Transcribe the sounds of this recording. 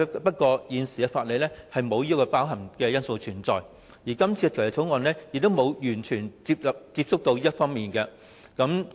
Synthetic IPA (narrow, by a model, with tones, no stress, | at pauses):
pɐ˥t̚kʷɔː˧jiː˨˧nsi˨˩ɛː˧faː˧t̚le˨jlɛː˥hɐ˨jmo˨˧wjiː˥kːɔ˧paː˥wɦɐ˨˩ŋkɛː˧jɐ˥nso˧wt͡ʃʰyː˨˩nt͡sɔː˨˩j | jiː˨˩kɐ˥mt͡sʰiː˧ɛ˧i˨˩wjɐ˨˩t͡sʰʊ˨˥wŋɔː˨˧nlɛː˥jɪ˨k̚t̪o˥wmo˨˧wjyː˨˩nt͡ʃʰyː˨˩nt͡si˧p̚lɐ˨p̚t͡siː˧p̚sʊ˥k̚t̪o˧wjiː˥ɐ˥tfɔː˥ŋmiː˨nkɛ˧ | kɐ˨˥m